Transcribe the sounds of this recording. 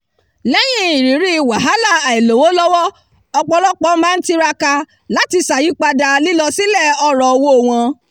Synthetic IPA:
lɛ˦j̃ĩ˦i˨ɾi˨˦ɾi˦˨wa˨ɦa˨˦la˨a˨i˨lo˨wo˨˦lɔ˦wɔ˦ | ɔ˧k͡pɔ˧lɔ˦k͡pɔ˨˦mãː˦n̩˦ti˦ɾa˧ka˧ | la˨˦ti˧sa˨ji˨˦k͡pa˧da˧li˦lɔ˧si˦lɛ˦˨ɔ˧ɾɔ˨o˧wo˦o˨w̃ã˧

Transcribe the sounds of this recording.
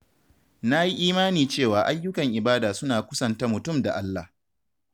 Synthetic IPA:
na˦ji˦ʔiː˦maː˦niː˨t͡ʃeː˦˨waː˨ʔa˦jːʊ˦kɐ˨ŋʔɪ˨baː˦daː˨sʊ˦naː˨kʷʊ˦sɐ˨nta˦mʊ˨tʊ˦˨mda˨ʔa˦lːa˨h

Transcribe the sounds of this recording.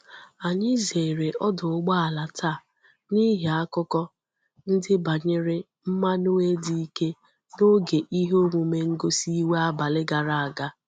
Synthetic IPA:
a˨ɲɪ˦ze˨ɾe˨ʔɔ˦dʊ˨ʊ˦ɡ͡ba˦a˨la˨tʰa˦˨ | ni˦ɦe˨a˦kʊ˦kɔ˦ | n̩˦dɪ˦ba˨ɲɪ˦ɾɪ˦ | m̩˦ma˦no˦e˦di˦i˦ke˦ | no˦ɡe˨ʔi˦ɦo˦ŋʷu˨me˦ŋ̩˦ɡo˦si˦we˦a˦ba˨lɪ˦ɡa˨ɾa˨a˨ɡa˦

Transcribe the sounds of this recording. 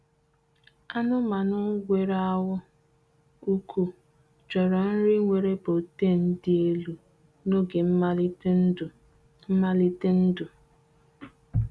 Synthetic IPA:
a˦nʊ˦ma˨nʊ˦ɡʷe˨ɾa˦wʊ˦ | u˦kʰu˦ | d͡ʒɔ˨ɾɔ˨n̩˦ɾɪ˦ŋʷe˨ɾe˦po˨te˦˨n̩˦dɪ˦e˦lu˨ | no˦ɡe˨m̩˦˨ | m̩˦ma˦li˦te˦n̩˦dʊ˨

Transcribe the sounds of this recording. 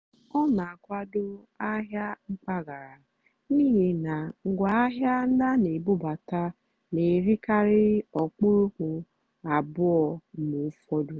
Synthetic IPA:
ɔ˦na˨a˨kʷa˦dʊ˦ | a˦ɦja˦ŋ͡m̩˦k͡pa˦ɡa˨ɾa˨ | niː˦ɦi˨na˨ŋ̩˨ɡʷa˨˦a˦ɦja˦n̩˦da˦ne˨bʊ˦ba˨ta˦ | ne˨ɾi˦ka˦ɾɪ˦ɔ˨k͡pu˦ɾu˦kʷu˨ | a˨bʊ˦ɔ˨mu˨˦fɔ˦du˨

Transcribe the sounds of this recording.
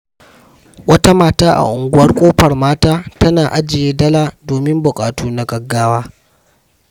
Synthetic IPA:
wɐ˦ta˦maː˨taː˦ʔa̰˨ʔʊ˨ŋɡʷʊ˦wɐ˦rkʷʼoː˦ɸɐ˨rmaː˦taː˦tɐ˦naː˨ʔa˦d͡ʒɪ˨jeː˦dɐ˦laː˦doː˨mɪ˦mbʊ˨kʼaː˨tuː˦na˨ɡɐ˨ɡːaː˦waː˦

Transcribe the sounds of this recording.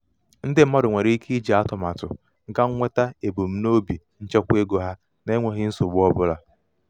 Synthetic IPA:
n̩˦dɪ˦m̩˦mɔ˦ɾʊ˨ŋʷe˨ɾe˦i˦ki˦i˦d͡ʒi˨a˦tɔ˨ma˨tʊ̰˨ | ŋ̩˦ka˦ŋ̩˦ŋʷe˦ta˦e˨bo˨m̩˦no˦bi˨ | n̩˦t͡ʃe˦kʷe˦ɡo˨ɦa˦ | na˨e˦ŋʷe˨ɦɪ˦n̩˦sʊ˨bʊ˦ɔ˦bʊ˦la˦

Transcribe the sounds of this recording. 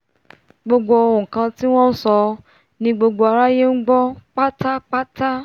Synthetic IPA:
ɡ͡bo˧ɡ͡bo˧o˧õ˨kã˧ti˦w̃ɔ̃˦n̩˦sɔ˧ | nĩ˧ɡ͡bo˧ɡ͡bo˧a˧ɾa˦je˦n̩˦ɡ͡bɔ˦k͡pa˦ta˦k͡pa˦ta˦

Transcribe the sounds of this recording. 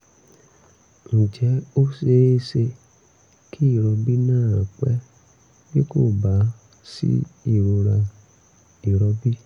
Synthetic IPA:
ŋ̩̃˨d͡ʒɛ˨˦o˦se˧˦se˧ | kʰi˦i˦˨ɾɔ˧bi˦nãː˦˨k͡pɛ̰˦ | be˦ko˦˨ba˨˦ | sḭ˦i˦˨ɾo˧ɾa˧ | i˨ɾɔ˧bi˦

